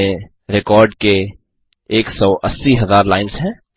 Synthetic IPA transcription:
e | ɾɪkɔːɾɖke | eːksɔːʔəsːiɦɐzaːɾlaːɪnsɦɛ̃ː

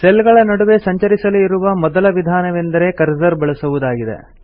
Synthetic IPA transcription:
selɡɐɭɐnɐɽuʋe̞sɐɲt͡ʃɐɾisɐluiɾuʋɐmɔd̪ɐlɐʋid̪ʱaːnɐʋend̪ɐɾe̞kɐɾzɐɾbɐɭɐsɐʋud̪aːɡid̪e̞̰

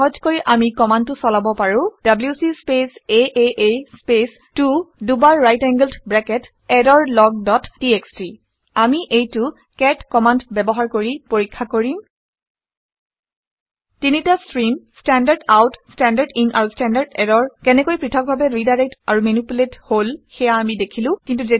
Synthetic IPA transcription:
ɔɦɔd͡ʒkoɹiʔamikɔmanʊsɔlabɔpaɹʊ̃d̥abljusispeseʔeʔespes | tudubaɹɹajtɛŋɡəldbɹɛkɛt | ɛdɔɹlɔɡ̚dɔtːiekstɹi | amiʔejtu | kɛtkɔmandbɛbɔɦaɹkoɹipoɹikʰːakoɹĩ | tinitastɹimstɛndaɹdawtstɛndaɹdinʔa̰ɹustɛndaɹdɛɾɔɹkɛnɛkojpɹitʰɔk̚bʱabɛɹidajɹɛk̚taɹumenupuletholxɛjaːmidekʰilʊ̃kintuze

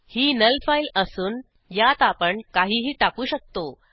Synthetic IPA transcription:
hiːnəlfailəsuːn | jat̪apəɳkaɦiːɦiːʈakuːɕək̚t̪o

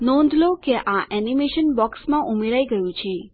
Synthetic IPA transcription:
nɔ̃nd̪ʱlokeʔaʔɛnimeʃənbɔksmãʔumeɾaiɡəjũt͡ʃʰe

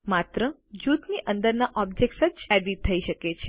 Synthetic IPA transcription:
mat̪ɾə | d͡ʒut̪niʔə̃nd̪əɾnaʔɔb̚d͡ʒek̚ʈsət͡ʃɛɖit̪ʰːəiʃəket͡ʃʰe

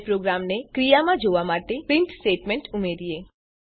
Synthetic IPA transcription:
pɾoɡɾamnekɾijamãd͡ʒoʋamaʈepɾɪɳʈsʈeːʈmɛ̃ɳʈumeɾie

